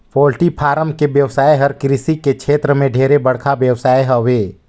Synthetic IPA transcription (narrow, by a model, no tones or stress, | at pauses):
pɔːlʈipʰaːɾəmkeʋjɐʋsaːeɦɐɾkɾɪsikekʃʰeːt̪ɾəmẽɖʱeːɾebɐɽ̤kʰabjɐwsaːeɦɐʋeː